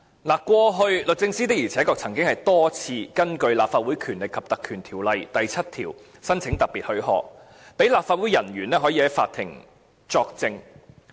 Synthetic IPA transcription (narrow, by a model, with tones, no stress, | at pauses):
laː˨˩kːʷwɔː˧ɦɵ˧ɥlɵ˨t̚t͡sɪ˧ŋsi˥t̪ɪ˥k̚jiː˨˩t͡sʰɛː˨˥kɔː˧k̚t͡sʰɐ˨˩ŋkɪ˥ŋhɐ˨˩jt̪ɔː˥t͡sʰiː˧kɐ˥nkɵ˧ɥlaː˨pfaː˧t̚wuː˨˥jkʰyː˨˩nlɪ˨kʰːɐ˨˩p̚t̪ɐ˨kʰyː˨˩nt̪ʰiː˨˩wlɐ˨˧jt̪ɐ˨jt͡sʰɐ˥t̚t̪ʰḭː˨˩w | sɐ˥nt͡sʰɪ˨˥ŋt̪ɐ˨˩t̚piː˨t̚hɵ˧˥ɥɦɔ̰ː˨k̚ | pe˨˥jlaː˨p̚faː˧wu˨˥jɐ˨˩nɥyː˨˩nlɛː˥ɦɔː˨˥jiː˧hɐ˨˧jfa̰ː˧t̪ʰɪ̰˨˩ŋ | t͡sɔː˧k̚t͡sɪ˧ŋ